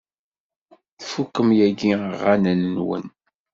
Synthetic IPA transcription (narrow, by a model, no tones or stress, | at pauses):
θfukːəmjæɡiəʁːanənːwə̰n